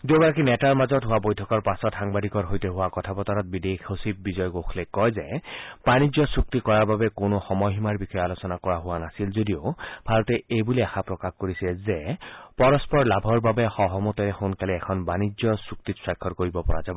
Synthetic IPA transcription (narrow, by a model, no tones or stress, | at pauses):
dobɔɹakinɛtaɹmazɔtɦʊwabojtʰɔkɔɹpasɔtɦaŋbadikɔɹɦojteɦʊwakɔtʰapɔt̪aɾɔt̚bidekʰosip̚bizɔjɡokʰlekɔjzeb̥anizjɔsuk̚t̪ikɔɹaɹbabɛkonoxɔmɔjɦimaɹbixʰɔjalosɔnakɔɹaɦʊwanasilzodiobʱaɹɔt̪ɛejbuliaxapɹɔkaxkoɹisɛzepɔɹɔspɔɹlabʱɔɹbabɛxɔɦɔmɔt̪ɔɾɛxonkaliɛkʰɔnbanid͡ʒjɔsuk̚t̪iswajkʰːɔtkoɹibɔpɔɹa̰zabɔ